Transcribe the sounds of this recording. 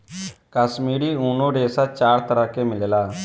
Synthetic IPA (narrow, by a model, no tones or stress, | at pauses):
kaːʃmiːɾiːuːnõːɾeːsaːt͡ʃaːɾt̪əɾaːkeːmɪlelaː